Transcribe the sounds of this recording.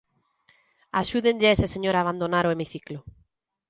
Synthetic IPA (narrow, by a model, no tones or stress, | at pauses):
aʃuðeɲʎɪeseseɲoɾaːβ̞and̪onaɾoemiθiklʊ